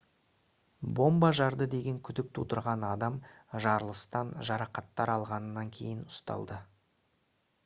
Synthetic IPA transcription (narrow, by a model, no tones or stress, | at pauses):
bo̞mbɑʒɑɾd̪əd̪e̞ɡʲe̞ŋkʲʰʏd̪ɪk̚t̪ʰut̪əɾʁɑnɑd̪ɑm | ʒɑɾəlˠəst̪ɑnʒɑɾɑqɑt̪ːɑɾɑlˠʁɑnənːɑŋkʲʰe̞̰jɪnʊst̪ɑ̰lˠd̪ə